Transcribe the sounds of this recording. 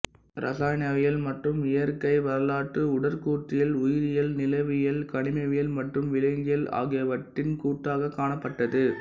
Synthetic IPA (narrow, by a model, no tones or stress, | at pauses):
ɾʔɐ̰saːnɐʋɪjɐlmɐʈrɯmɪjɐɾkɐɪʋɐɾɐlaːʈːɯʊɽɐɾkuːʈ̪ːɪjɐlʊjɪɾɪjɐlnɪlɐʋɪjɐlkɐɳɪmɐʋɪjɐlmɐʈrɯmʋɪlɐɪŋɡɪjɐla̰ːɣɪjɐʋɐʈːɪnkuːʈːaːɣɐkːaːɳɐpːɐʈːɐðɯ